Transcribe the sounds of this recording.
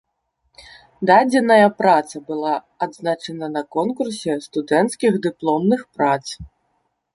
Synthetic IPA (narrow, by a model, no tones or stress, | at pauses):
d̪ad͡zʲɛnɐjɐpɾat̪sɐbɨlˠaː | d̪znat͡ʂɐnɐnɐkɔnkursʲɛst̪ud̪ɛnt̪skʲixd̪ɨplˠɔmnɨxpɾat̪s